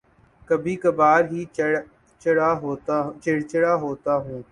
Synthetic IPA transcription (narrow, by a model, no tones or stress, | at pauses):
kəbʱiːkəbaːɾɦiː | t͡ʃɽaːɦoːt̪ːt͡ʃɪɽt͡ʃɪɽaːɦoːt̪aːɦũː